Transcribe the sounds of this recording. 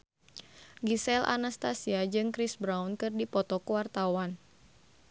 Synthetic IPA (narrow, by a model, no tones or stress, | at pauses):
ɡisɛlʔa̰nast̪asiad͡ʒɨŋkɾisbɾawnkɨrdipɔt̪ɔkuwart̪awan